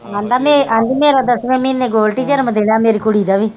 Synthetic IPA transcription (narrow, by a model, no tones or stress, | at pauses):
ɐnd̪ameɐnd̪imeːɾɐd̪ɐsmemineɡoːlʈid͡ʒɐɾmɐd̪eɽameɾikuɽiːd̪aʋi